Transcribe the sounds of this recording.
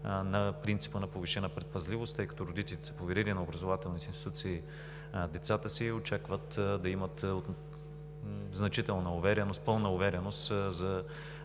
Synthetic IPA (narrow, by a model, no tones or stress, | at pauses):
nɐpɾint̪i̥pənɐpoviʃɛnəpɾɛt̪̚pɐzlʲivost̪ːɤjkɐ̥t̪oɾod̪it̪ɛlit̪ɛ̥sɐ̥povɛɾilinɐobɾɐzovat̪ɛlˠnit̪ɛinst̪it̪ut̪siː | d̪ɛt̪sat̪əsiot͡ʃakvət̪d̪ɐimət̪ot̪ | znɐt͡ʃit̪ɛlˠnɐʊvɛɾʲɛnost̪̚pɤlˠnɐʊvɛɾʲɛnost̪zɐ